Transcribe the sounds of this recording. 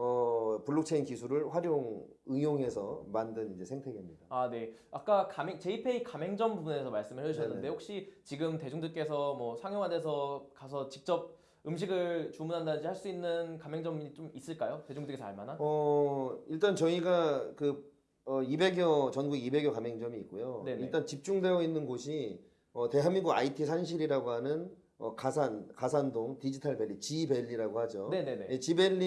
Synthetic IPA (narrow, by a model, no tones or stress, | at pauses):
ʌpuɭːok̚t͡ɕʰeinkisʰuɾɯɭɸwaɾjoŋɯŋjoŋɦe̞sʰʌmandɯnid͡ʑe̞sʰeŋtʰe̞ɡimɲidaane̞ak͈akamet͡ɕe̞ipʰe̞ikame̞ŋd͡ʑʌmbubunesʰʌmaɭs͈ɯmɯɭhʰeʌɕʌnːɯnde̞hok̚ɕ͈it͡ɕiɡɯmte̞d͡ʑuŋdɯɭk͈e̞sʰʌmwʌsʰaŋjoŋɦades̬ʰʌkasʰʌt͡ɕik̚t͡ɕ͈ʌb̚ | ɯmɕ̬ʰiɡɯɭt͡ɕumunɦandanɯnɲd͡ʑihaɭs͈uinːɯnkamɦe̞ŋd͡ʑʌmit͡ɕomis͈ɯɭk͈ajoted͡ʑoŋdeɡesa̰ɭmanaʌ | iɭt͈ant͡ɕʌiɡakɯ | ʌibe̞ɡjʌt͡ɕʌnɡuɡibe̞ɡjʌkamjeŋd͡ʑʌmiːk͈̚ojoeiɭt͈ant͡ɕip̚t͡ɕ͈uŋde̞ɡʌinːɯnɡoɕʰi | ʌte̞ɦamiɡuɡa̰itʰisʰanɕ̬ʰiɾiɾaɡoɦanɯn | ʌ̰kasʰankasʰandoŋtid͡ʑitʰaɭbe̞ʎːit͡ɕibe̞ʎːiɾaɡoɦad͡ʑonenenejet͡ɕibe̞ʎːi